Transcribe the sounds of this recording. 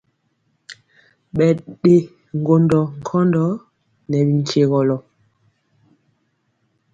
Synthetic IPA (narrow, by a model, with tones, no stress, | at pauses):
ɓɛ˨ɗe˦ | ŋ̩˨ɡo˨ndɔ˨ŋ̩˨kʰɔ˦ndɔ˦ | nɛ˨bi˨ŋ˨kʰe˨ɣɔ˨lɔ˨